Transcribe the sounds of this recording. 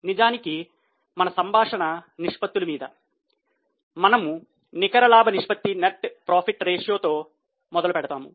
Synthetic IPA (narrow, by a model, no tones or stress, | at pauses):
nid͡ʒaːniki | mɐnɐsɐmbʱaːʂɐɳɐniʂpɐt̪ːulumiːd̪ɐ̰ | mɐnɐmu | nikɐɾɐlaːbʱɐniʂpɐt̪ːineʈpɾaːpʰiʈːɾeːʂjoːt̪o̞ː | mɔd̪ɐlupɛɽɐt̪aːmṵ